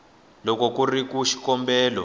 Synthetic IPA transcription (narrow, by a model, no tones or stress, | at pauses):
lɔkɔkurikuʃi̥kɔmbɛːlɔ̰